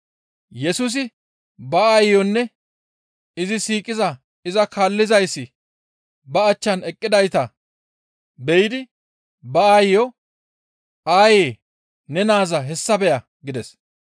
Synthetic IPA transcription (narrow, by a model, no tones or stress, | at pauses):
jɛsʊs̬ɪ | bɐaːjjɔnːɛ | ɪzɪsiːkʼɪzɐ | ɪzɐkaːlːɪzɐjsːɪ | bɐːt͡ʃːɐnɛkʼːɪd̪ɐjt̪ɐ | bɛjɪd̪ɪ | bɐaːjjɔ | ʔaːjeː | nɛnaːzɐɦɛsːɐbɛjɐ | ɡɪd̪ɛs